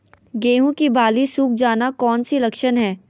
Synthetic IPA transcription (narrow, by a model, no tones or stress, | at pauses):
ɡeːɦũkibaːlisuːk̚ʰd͡ʒaːnakɔːnsilɐkʃənɦɛː